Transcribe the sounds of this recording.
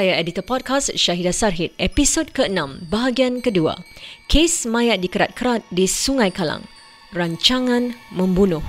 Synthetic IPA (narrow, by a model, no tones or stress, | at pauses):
ajaɛdit̪əpɔd̚kasʃaɦidasarɦit̪̚ɛpisod̚kəənãmbaɦaɡiankədua̰kʰesmãjat̪̚dikəɾa̰t̪̚kəɾat̪̚disuŋãjkalã̰ŋ | raɲt͡ʃaŋãnmə̃mbunʊh